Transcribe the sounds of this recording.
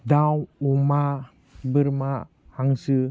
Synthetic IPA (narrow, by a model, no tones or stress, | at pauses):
dawuma | bəɾma | haŋsɯ